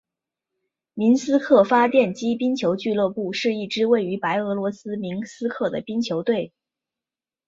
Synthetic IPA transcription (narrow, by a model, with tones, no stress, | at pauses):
mi˧˥nsɹ̩˥kʰɤ˥˩fa˥t̪jɛ˥˩nt͡ɕi˥pi˥nt͡ɕʰjo˧˥ʊt͡ɕy˥˧lɤ˥˧pu˥˩ʂɻ̩˥˧i˥˩ʈ͡ʂɻ̩˥we˥˩ɪy˧˥pa˧˥ɪɤ˧˥lwɔ˧˥sɹ̩˥mi˧˥nsɹ̩˥kʰɤ˥˩d̪ə˩pi˥nt͡ɕʰjo˧˥ʊt̪we˥˩ɪ